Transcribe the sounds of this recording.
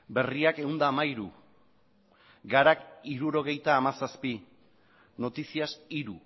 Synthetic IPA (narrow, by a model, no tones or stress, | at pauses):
be̞riake̞und̪aːmaiɾṵ | ɡaɾakiɾuɾo̞ɣ̞e̞jt̪aːmasaspi | no̞t̪isiasiɾu